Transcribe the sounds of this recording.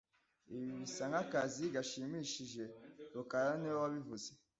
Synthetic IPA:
iβiβisaŋɡakaziɡaʃimiːʃiʒe̞ɾukaɾaniwowaβivuze

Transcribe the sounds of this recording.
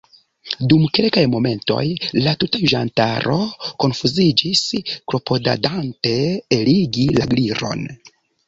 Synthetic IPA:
dumke̞lkajmo̞me̞nto̞̰jlatutaʒantaɾo̞ko̞nfuzid͡ʒiskɾo̞po̞da̰dante̞ːliɡilaɡliɾo̞̰n

